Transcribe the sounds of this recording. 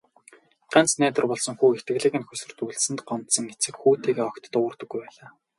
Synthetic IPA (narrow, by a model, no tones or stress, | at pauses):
ɢ̥ant͡snæːt̪ə̆rpɔɮsɞ̆ŋxuːext̪ɡɘ̆ɣɮiːɣɘ̆nxɵsɵ̆rt̪uɮsɘ̆nt̪ɢɔmt̪sɞ̆ŋet͡sɘ̆kxuːt̪ʰiːɣeːɔkt̪ɞ̥̆t̪ʊwə̆rt̪ɞ̆ɡːujpæːɮaː